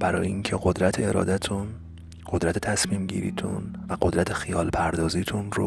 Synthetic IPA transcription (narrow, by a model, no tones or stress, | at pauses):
b̥æɾɒ̰ːjeʔiŋcʰe̞ɢod̪ɾæt̪ʰeeɾɒ̰ːd̪æt̪ʰun | ɢ̥o̞d̪ɾæt̪ʰet̪ʰæsmiːmɟḭːɾḭːt̪ʰṵnvæɢo̞d̪ɾæt̪ʰe̞xijɒːlpʰæɾd̪ɒːziːt̪ʰunɾo